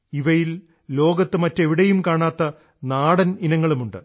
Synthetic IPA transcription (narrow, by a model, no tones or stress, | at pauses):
iʋɐjil | lo̞ːɡɐt̪ːɨmɐtːe̞ʋiɽejumkaːɳaːt̪ːɐ | naːɽɐninɐŋːɐɭumuɳɖɨ̰